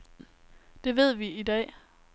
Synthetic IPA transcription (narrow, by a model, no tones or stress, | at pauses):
d̥e̝ʋe̝ð̰ˠʋiid̥ɛ̰ː